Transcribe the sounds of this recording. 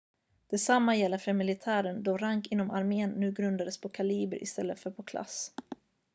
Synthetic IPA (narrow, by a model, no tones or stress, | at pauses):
d̪̥ɛsamːajɛlːəɾfœɾmɪlɪt̪ʰæːɾənd̪ɔɾaŋkɪnːɔmaɾmeːnːʉ̟ːɡɾɵnd̪ad̪əspʰɔkʰaliːbə̰ɾʔɪ̰st̪ɛlːət̪fœɾpʰɔkʰla̰s